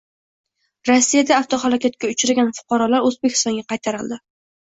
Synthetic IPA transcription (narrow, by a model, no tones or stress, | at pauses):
ɾɒsːijad̪aːft̪ʰɒχalakʲat̪̚kʲaʊt͡ʃɾaɡʲanfʊ̥qʰɑɾɒlaɾɵzbekʲʰɪ̥st̪ɒŋɡʲaqʰɑjt̪ʰaɾɪld̪ɪ